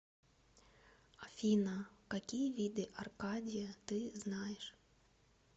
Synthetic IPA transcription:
ɐfʲinɐkakʲijɐvʲid̪ɪʔarkadʲijɐt̪ɪznɑjɛʂ

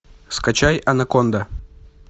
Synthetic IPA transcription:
skat͡ɕajɐnakond̪a

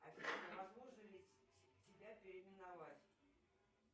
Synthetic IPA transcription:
ɐt̪ʲisʲnʲəvɐzlˠoʐɨlʲɪtʲɪbʲapʲɪɾʲɪmʲɪnɐvatʲ

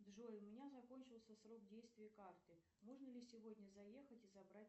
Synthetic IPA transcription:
d̪ʐoɪmʲɪnʲazɐko̞nʲt͡ɕɪlˠsʲəsro̞kdʲejst̪vʲɪjəkart̪ɨ | mo̞ʐnəlʲɪsʲɪvodʲnʲəzɐjexətʲɪzɐbɾat̚ʲ

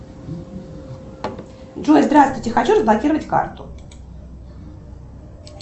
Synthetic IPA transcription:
dʐozd̪ɾast̪vʊjtʲɪxat͡ɕuɾəzblˠɐkʲiɾəvətʲka̰rt̪ʊ

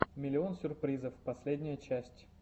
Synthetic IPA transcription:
mʲɪlʲɪo̞nsʲʊrpɾʲizəfpɐsʲlʲedʲnʲɪjət͡ɕæsʲtʲ

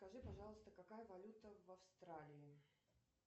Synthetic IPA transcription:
skɐʐɨpɐʐɑlˠəst̪əkɐkajəvɐlʲut̪əvɐfst̪ɾalʲɪɪ

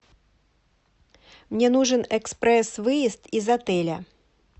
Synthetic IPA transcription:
mnʲɛnuʐɨnɛkspɾɛsvɨjist̪izat̪ɛlʲɐ

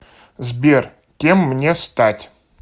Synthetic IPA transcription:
zbʲer | kʲemːnʲest̪atʲ

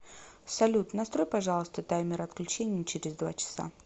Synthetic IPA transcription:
sɐlʲut̪nɐst̪ɾojpɐʐɑlˠəst̪ət̪ajmʲɪɾɐt̪klʲʉt͡ɕenʲɪjət͡ɕeɾʲɪzd̪va̰t͡ɕɪ̥sa̰

